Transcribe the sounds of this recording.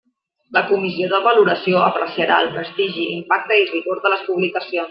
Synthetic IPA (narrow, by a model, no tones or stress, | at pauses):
ləkumizioðəβəluɾəsioəpɾəsiəɾaəlˠpɾəst̪iʒiimpak̚t̪əiriɣoɾðələspuβlikəsion